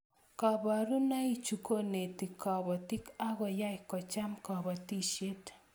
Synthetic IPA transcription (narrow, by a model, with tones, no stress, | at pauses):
kaba˨ɾu˦na˦i˦t͡ʃuko˦ne˨t̪i˨kɔ˨bɔ˨t̪i˦ka˦ɡɔ˨ja˦jkɔ˨t͡ʃa˦mkɔ˨bɔ˨ti˦ʃe˦t